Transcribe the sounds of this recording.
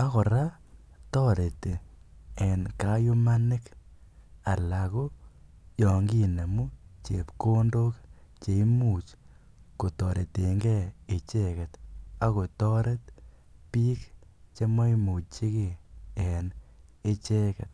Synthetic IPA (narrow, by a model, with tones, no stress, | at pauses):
a˦ko˨ɾa˦ | tɔ˦ɾe˨te˨e˨nka˦jo˦ma˦nɪ˦k | a˨la˨ko˦ | jɔ˨ŋɡi˦ne˨mu˦t͡ʃe˨pko˦ndo˦kt͡ʃe˨i˦muː˨t͡ʃ | ko˨tɔ˨ɾe˨te˨ŋɡɛ˦e˨t͡ʃe˦ke˨ta˦ko˨tɔ˦ɾe˦t̚piː˦k | t͡ʃe˦mɔ˦i˦mu˨t͡ʃi˦ki˨e˨n | e˦t͡ʃe˦kɛ̰˨t̚